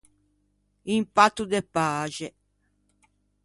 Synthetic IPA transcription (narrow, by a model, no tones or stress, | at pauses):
impat̪ːud̪epaːʒɛ